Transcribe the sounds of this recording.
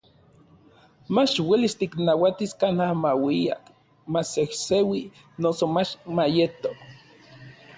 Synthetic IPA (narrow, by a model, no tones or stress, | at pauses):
mat͡ʃwelist̪iknawat̪iskanhahmawia̰k | masehsewi | nosomat͡ʃmajet̪ok